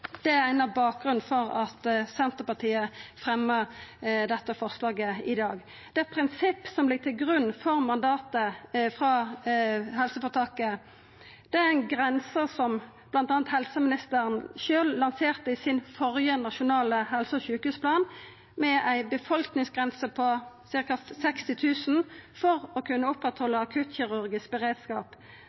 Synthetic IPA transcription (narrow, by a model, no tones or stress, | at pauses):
d̪̥ɛæʁæɪnəbɑːk̚ɡʁʉn̩fɔʁɑt̪sɛnt̪əʁpɑt̪ʰiːəfʁɛmːəʁd̪ɛt̪ːəfɔʁslɑːɡəɪd̪ɑːɡ | d̪̥ɛæpʰʁɪnsɪpːsɔmblɪɡ̚t̪ʰɪlɡʁʉnːfɔʁmɑnd̪ɑːt̪əfʁɑ | ɦɛlsəfɔʁt̪ʰɑːkə | d̪̥ɛææɪnɡʁɛnsəsɔm | b̥lɑnt̪ɑːnət̪hɛlsəmɪnɪst̪əʁənʃøːllɑnseːʁt̪əɪsɪnfɔʁjənɑʃʊnɑːləhɛlsəɔçʉːkhʉːspʰlɑːn | mɛʔæɪbəfɔlknɪŋsɡʁɛnsəpʰɔsɪʁkɑsɛkst̪ɪt̪ʰʉːsnfɔʁɔkʰʉnːəʊpʁɛt̪hɔlːəɑkʰʉːt̪çɪʁʉʁɡɪsk̚bəʁeːd̪skɑ̰ːp